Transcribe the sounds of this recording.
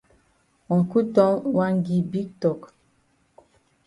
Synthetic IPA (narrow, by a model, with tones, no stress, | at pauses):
ɔ̃˨ŋ˨ku˦tɔ̃˦wa˦ŋ˦ɡi˨bi˦k̚tɔ˨k